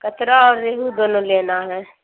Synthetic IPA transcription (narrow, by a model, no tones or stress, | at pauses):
kət̪ɾaɔːɾːeːɦud̪oːnõleːnaɦɛː